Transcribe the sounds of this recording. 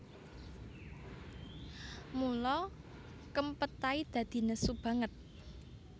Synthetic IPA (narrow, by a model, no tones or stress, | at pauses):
mulɔ | kəmpət̪aid̪̥ä̤d̪̥i̤nəsub̥ä̤ŋət̪̚